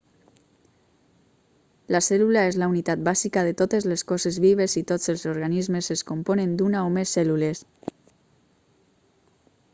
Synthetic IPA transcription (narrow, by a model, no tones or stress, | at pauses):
lasɛlulaezlaunit̪at̪̚bazikaðet̪ot̪ezleskɔzezβiβ̞ezit̪ot͡selˠzoɾɣanizmezeskomponend̪unaomesːɛlules